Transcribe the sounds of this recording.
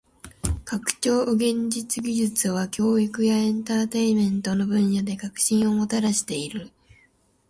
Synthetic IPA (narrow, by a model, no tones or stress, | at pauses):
kakɯ̟̥t͡ɕo̞ːʔɡẽ̞ɲd͡ʑit͡sɨɡʲiʑɨt͡sɨβ̞akʲo̞ːikɯ̟jaẽ̞nt̪at̪e̞imẽ̞nt̪o̞no̞bɯ̟̃ɰ̃jad̪e̞kakɯ̟̥ɕĩɰ̃o̞mo̞t̪aɾaɕi̥t̪e̞iɾɯ̟